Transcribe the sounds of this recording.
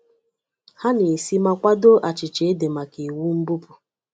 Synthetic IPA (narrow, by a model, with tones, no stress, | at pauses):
ha˦ni˨si˦ma˦kʷa˦do˦ʔa˨t͡ʃɪ˨t͡ʃe˨e˦de˨ma˨ki˨wu˦m̩˦bu˦pu˨